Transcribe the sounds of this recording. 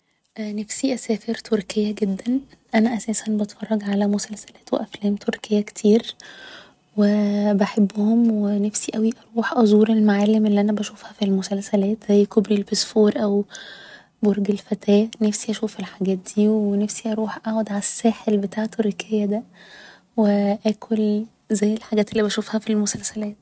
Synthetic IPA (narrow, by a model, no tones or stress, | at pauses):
ʔnæfsiʔæsæːfeɾt̪ʰoɾkejːæɡed̪ːænʔænæʔæsæːsænbɑt̪fɑrˤːɑɡʕalæmosælsæ̥læːt̪weʔæflæːmt̪ʰoɾkejːækt̪ʰiːɾ | webæħebːhomwenæfsiʔæwiʔɑɾˤuːħʔɑzˤuːɾelmaʕalːemʔelːiʔænæbæʃuːfhæfilmosælsælæːt̪z̥æjːkobɾilbesfoːɾʔæw | boɾɡelfæt̪ʰæːnæfsiʔæʃuːfelħaɡæːt̪̚d̪̥iːwenæfsiʔɑɾuːħʔaʕod̪ʕalæsːæːħelbet̪aːʕet̪eɾekʰejːæd̪æ | weʔæːkʰol | zæjːelħaɡæːt̪elːiːbæʃuːfhæfilmosælsælæːt̪̚